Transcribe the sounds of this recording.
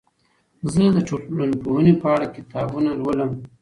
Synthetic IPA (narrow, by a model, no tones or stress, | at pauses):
zəd̪əʈ͡ʂolanpohənepəaɽakɪt̪ɑbunalwələm